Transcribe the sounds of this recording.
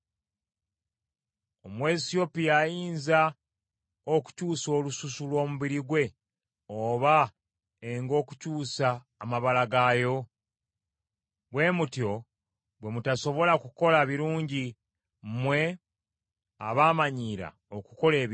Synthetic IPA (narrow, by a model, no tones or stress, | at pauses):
omwe̞sio̞pijajiːnza | oku̥cuːso̞ːlususulwo̞ːmuβiɾiɡwe̞ | oβa | eŋɡo̞ːku̥cuːsaː | maβalaɡaːjo̞ | bwe̞ːmutjo̞ | bwe̞mutaso̞βo̞lakuko̞laβiɾuːɲɟi | m̩mwe̞ | a̰βaːmaɲiːɾa̰ | oku̥ko̞le̞ː